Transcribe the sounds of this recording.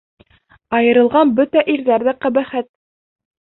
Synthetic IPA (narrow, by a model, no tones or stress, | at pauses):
ɑjɤ̆ɾɤ̆lˠʁɑnbɵt̪æʔiɾðæɾðæqæβæχæt̪̚